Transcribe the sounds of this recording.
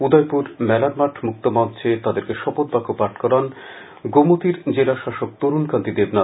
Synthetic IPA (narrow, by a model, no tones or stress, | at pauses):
ud̪ajpuɾmɛlanmaʈʰmuk̚t̪omadt͡ɕʰet̪ad̪eɾkeʃɔpot̪̚bakopaʈʰkɔɾan | ɡomot̪iɾd͡ʑelaʃaʃok̚t̪oɾunkant̪id̪ebna